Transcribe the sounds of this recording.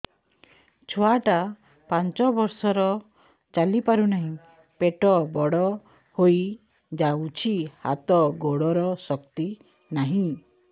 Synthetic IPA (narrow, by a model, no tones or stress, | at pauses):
t͡ʃʰɔaʈa | pant͡ʃɔbɔɾsɔɾɔ | t͡ʃalipaɾunaɦĩ | peʈɔbɔɽɔ | hoj | d͡ʒaut͡ʃʰiha̰t̪ɔɡoɽɔɾɔsɔkt̪i | naɦĩ